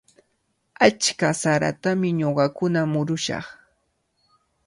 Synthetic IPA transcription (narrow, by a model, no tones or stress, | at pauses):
at͡ʃkasaɾa̰t̪amɪɲoɢɑkʊnamʊɾʊʃɑ̰χ